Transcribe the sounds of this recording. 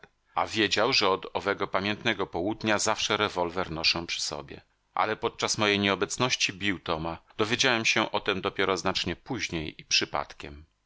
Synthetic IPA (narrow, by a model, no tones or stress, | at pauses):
a̰vʲjed͡ʑawʐɛɔd̪ɔvɛɡɔpamʲjɛnt̪nɛɡɔpɔwud̪ɲazafʂɛɾɛvɔlvɛɾnɔʂɔ̃w̃pʂɘ̥sɔ̰bʲjɛ̰ | ʔa̰lɛpɔt̪̚t͡ʂasmɔjejɲɛɔbɛt̪snɔɕt͡ɕibʲiwt̪ɔmad̪̥ɔvʲjed͡ʑawɛmɕɛʔɔt̪ɛmd̪ɔpʲjɛɾɔznat͡ʂɲɛpuʑɲejipʂɘpa̰t̪kʲɛ̰m